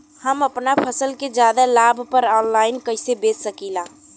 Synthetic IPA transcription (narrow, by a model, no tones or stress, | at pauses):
hɐmɐpnapʰəsəlked͡ʒjaːd̪alaːbʱpəɾɔːnlaːɪnkɐɪsebeːsəkiːlaː